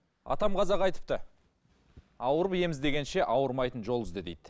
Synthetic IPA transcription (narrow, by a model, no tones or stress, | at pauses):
ɑ̰t̪ɑmʁɑzɑʁɑjt̪ə̥p̚t̪ə | ɑwəɾəpje̞mɪzd̪e̞ɡʲe̞nʃe̞ʔɑwəɾmɑjt̪ənʒo̞lˠəzd̪əd̪ejd̪̥